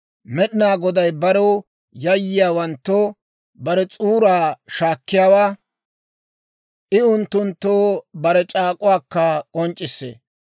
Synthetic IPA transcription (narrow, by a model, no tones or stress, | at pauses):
mɛɗɪnaːɡɔd̪ɐjbɐɾɔw | jɐjːɪjaːwɐnt̪ːo | bɐɾɛt͡sʼuːɾaːʃaːkːɪjaːwaː | ʔɪʊnt̪ːʊnt̪ːoːbɐɾɛt͡ʃʼaːkʼʊwaːkːɐkʼɔnt͡ʃʼːɪsːḛː